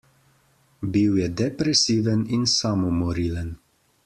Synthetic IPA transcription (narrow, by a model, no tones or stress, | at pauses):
biwjɛd̪ɛpɾɛsiːʋəninsamɔmɔɾiːlən